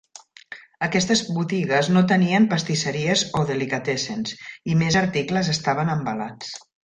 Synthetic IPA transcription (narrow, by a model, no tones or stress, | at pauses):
əkɛst̪əzβut̪iɣəznot̪əniəmpəst̪isəɾiəzoðəlikət̪ɛsensimezəɾt̪ikləzəst̪aβənəmbəlat͡s